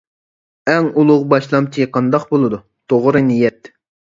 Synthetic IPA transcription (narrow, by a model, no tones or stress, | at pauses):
ɛŋulˠʊʁbɑʃlˠɑmt͡ʃʰiqʰɑnd̪ɑqbolˠɨd̪u | t̪ʰoʁɾɨnijɛt̪